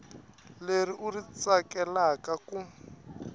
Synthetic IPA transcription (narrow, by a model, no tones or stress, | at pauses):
leriʔurit͡sakɛlakaku